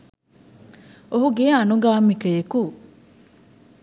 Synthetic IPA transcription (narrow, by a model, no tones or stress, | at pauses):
oɦuɡeːɐnuɡaːmːikɐeku